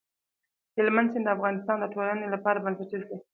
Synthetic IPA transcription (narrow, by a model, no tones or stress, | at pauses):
hɪlmansend̪əafɣɑnɪst̪ɑnd̪əʈolanelapɑɾabansaʈiʃi